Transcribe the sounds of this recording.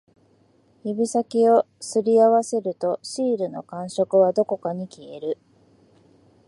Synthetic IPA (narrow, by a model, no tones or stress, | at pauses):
ibʲisakʲio̞ | sɨɾʲiaβase̞ɾɯ̟t̪o̞ɕiːɾɯ̟no̞̰kãɰ̃ɕo̞kɯ̟βad̪o̞ko̞kaɲ̟ikʲie̞ɾɯ̟